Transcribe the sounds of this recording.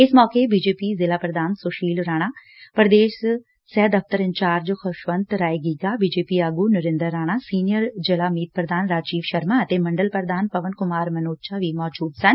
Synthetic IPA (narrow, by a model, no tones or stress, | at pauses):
ɪsmɔːkebiːd͡ʒeːpiːzɪlaːpɾəd̪aːnsoʃiːlɾaːɽ̃aː | pəɾd̪eːs | sɛːd̪əft̪əɾɪ̃ɲt͡ʃaːɾd͡ʒxʰʊʃʋənt̪ɾaːeɡiːɡaːbiːd͡ʒeːpiːaːɡuːnəɾɪ̃nd̪əɾːaːɽ̃aːsiːnijəɾd͡ʒɪlaːmiːt̪̚pɾəd̪aːnɾaːd͡ʒiːʋʃəɾmaːət̪eːməɳɖəlpəɾd̪aːnpəʋənkʊmaːɾmənoːt͡ʃʰaːʋiːmɔːd͡ʒuːd̪sən